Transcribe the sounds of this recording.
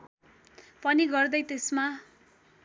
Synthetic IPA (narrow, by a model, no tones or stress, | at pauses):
pʌniɡʌrd̪ʌjt̪esma